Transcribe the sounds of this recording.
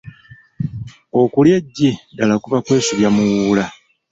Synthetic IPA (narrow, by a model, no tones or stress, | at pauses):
o̞kuljeɟːidalakuβakwe̞ːsuβjamuwula